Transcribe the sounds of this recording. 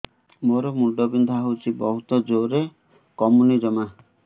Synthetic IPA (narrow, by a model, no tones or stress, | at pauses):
moɾɔmuɖɔbind̪ʱaɦowt͡ʃʰibɔɦut̪ɔd͡ʒoɾe | kɔmunid͡ʒɔma